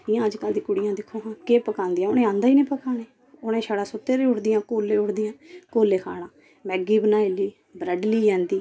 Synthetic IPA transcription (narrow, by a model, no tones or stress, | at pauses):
ɪjãːəd͡ʒkəld̪ĩːkʊɽɪjãːd̪ɪkʰːoːɦãːkeːpəkãːnd̪ɪjãːʊnẽːãːnd̪aːiːnẽːpəkaːneː | onẽːʃaːɽaːsʊt̪ːeːɾeːʊʈd̪ɪjãːkoːlːeːʊʈd̪ɪjãːkoːleːkʰa̰ːɽãː | mɛːɡiːbənaːɪliː | bɾəɖliːjãːnd̪iː